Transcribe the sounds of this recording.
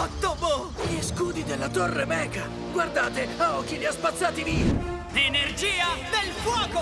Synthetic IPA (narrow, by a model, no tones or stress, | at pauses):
ɔt̪ːobo | ʎiskuːd̪id̪elːat̪orːemɛːka | ɡward̪aːt̪eaɔkːiliaspat̪sːaːt̪iviːa | lenerd͡ʒiːad̪elfwɔːko